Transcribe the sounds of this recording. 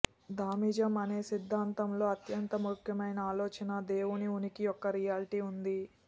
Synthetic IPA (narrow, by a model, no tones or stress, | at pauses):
d̪aːmiːd͡ʒɐmɐne̞ːsid̪ʱːaːnt̪ɐmlo̞ːɐt̪jɐnt̪ɐmukʰjɐmɐjnɐaːlo̞ːt͡ʃɐnɐd̪e̞ːwuniunikijɔkːɐɾijaːlʈiːund̪i